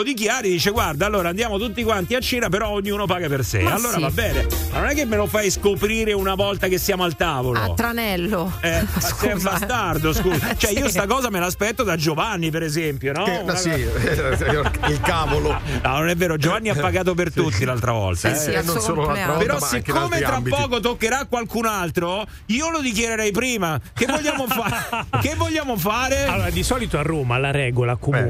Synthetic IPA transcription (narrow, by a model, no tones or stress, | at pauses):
lod̪ik̬jaːɾid̪iːt͡ʃeɡward̪aːlːoːɾaːnd̪jaːmot̪ut̪ːikwant̪iat͡ʃːeːnapeɾɔoɲːuːnopaːɡapersḛalːoːɾavabːɛːnemanonɛkːemːelofajskopɾiːɾeunavɔlt̪akesːjaːmoalt̪aːvolo̰t̪ːɾanɛlːo | ɛssɛmbast̪ard̪oskut͡ʃoɛiiːost̪akɔːzamelaːspɛt̪ːod̪ad͡ʒovanːip̬eɾezɛmpjonɔui | ilkaːvolonɔnonɛvːeːɾod͡ʒovanːiapːaɡaːt̪̬op̬ert̪ut̪ːilalt̪ɾavɔ̰lt̪anooːloaɾpeɾɔsːekːoamet̪ɾabipːɔɔːkot̪̬okːeɾakːwalkunalt̪ɾo | iːolod̪ik̬jeɾeɾɛjpɾiːmak̟evvːoʎːaːmofaːkevːoʎːaːmofaːɾealːoːɾad̪isɔːlit̪oarːoːmalaɾɛːɡolakom